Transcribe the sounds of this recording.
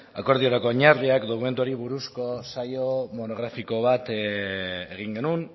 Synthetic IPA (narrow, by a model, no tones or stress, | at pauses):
a̰ko̞ɾðio̞ɾako̞ɲaɾðiakd̪okume̞nt̪uaɾiβuɾusko̞sajo̞mo̞no̞ɣ̞ɾafiko̞β̞at̪ | eɣ̞iŋɡe̞nun